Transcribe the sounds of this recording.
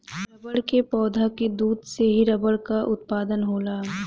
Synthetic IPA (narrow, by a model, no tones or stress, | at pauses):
ɾɐbəɽkepɔːd̪ʱaked̪uːd̪seɦiɾɐbəɽkaʔʊt̪̚paːd̪ənɦoːlaː